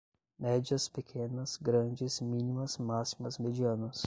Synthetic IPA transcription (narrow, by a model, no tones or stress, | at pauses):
mɛd͡ʒɐspekʰẽnɐsɡɾɐ̃d͡ʒɪzmĩnimɐsmasimɐzmed͡ʒiɐ̃nɐs